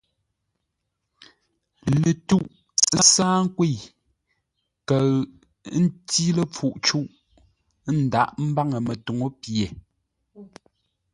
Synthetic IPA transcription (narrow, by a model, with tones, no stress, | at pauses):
lə˨tu˦˨ʔ | saː˦ŋ̩˦kwe˦˨ | kə˨˦ | n̩˦ti˦lə˦˨p͡fu˨ʔt͡ʃu˦˨ʔ | n̩˨da˦˨ʔm̩˦ba˦ŋə˨mə˨tu˨ŋo˦pje˨